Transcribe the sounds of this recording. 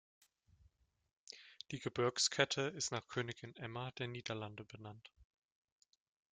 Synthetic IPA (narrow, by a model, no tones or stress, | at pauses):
d̥iːɡəbɪɐkskʰɛtʰəɪstnaːχkʰøːnɪɡɪnʔɛmad̥eːɐniːdɐlandəbənant